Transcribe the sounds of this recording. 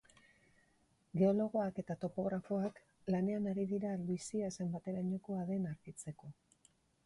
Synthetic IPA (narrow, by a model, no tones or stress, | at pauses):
ɡe̞o̞lo̞ɣ̞o̞ake̞t̪at̪o̞po̞ɣ̞ɾafo̞ak | lane̞anaɾiðiɾaluisiaesembat̪e̞ɾaɲoko̞aðe̞naɾɣit͡se̞ko̞